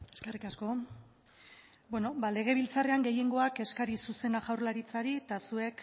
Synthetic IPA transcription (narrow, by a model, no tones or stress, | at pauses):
eske̞rikasko̞ | bweno̞bale̞ɣ̞e̞β̞ilt͡sare̞aŋɡe̞je̞ŋɡo̞ake̞skaɾisuse̞naʝawrlaɾit͡saɾit̪asue̞k